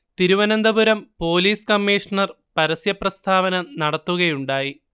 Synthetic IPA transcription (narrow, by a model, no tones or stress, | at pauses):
t̪iɾuʋɐnɐnd̪ɐbuɾɐmpo̞ːliːskɐmːiːʂɐɳɐr | pɐɾɐsjɐprɐst̪ʰaːʋɐnɐnɐɽɐt̪ːuɣɐjuɳɖaːji